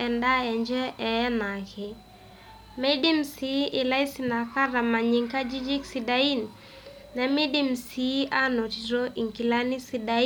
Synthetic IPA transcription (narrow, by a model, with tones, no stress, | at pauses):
ɛ˨nda˦ɛ˨ɲd͡ʒɛ˦ʔɛ˨˦na˨kɪ˨ | mɛ˦di˦m̩si˦ʔɪ˨la˦i˦sina˨ka˦ɾa˨ma˨ɲi˨ŋka˦d͡ʒi˦d͡ʒi˦ksidai˦nː | ɛ˨mi˦di˦m̩si˦ʔa˦nɔ˨ti˨ɾɔ˦ʔi˨ŋki˨la˦ni˦si˨da˦